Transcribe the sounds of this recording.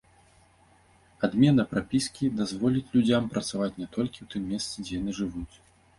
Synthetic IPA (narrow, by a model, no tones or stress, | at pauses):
ad̪mʲɛnɐpɾapʲiskʲid̪azvɔlʲit͡sʲlʲud͡zʲampɾɐt̪savat͡sʲnʲɛt̪ɔlʲkʲiwt̪ɨmːʲɛst̪sɨd͡zʲɛjan̪ɨʐɨvut͡sʲ